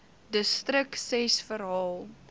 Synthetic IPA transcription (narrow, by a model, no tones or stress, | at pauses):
dəstrəksɛsfəɾɦɑːlˠ